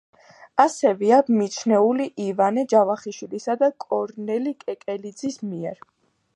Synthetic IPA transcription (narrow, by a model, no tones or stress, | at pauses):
asɛvɛabmit̪t͡ʃʰnɛuliʔivanɛd͡ʒavaχiʃwilisad̪akʼɔɾnɛlikʼɛkʼɛlid̪zismiɛɾ